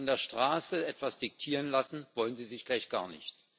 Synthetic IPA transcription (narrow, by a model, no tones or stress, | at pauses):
ndeːɐʃtʁ̥aːsəɛtv̥asd̥ɪk̚tʰiːʁənlasn̩vɔlənziːzɪçɡ̥laɪçɡ̥a̰ːɐnɪ̰çt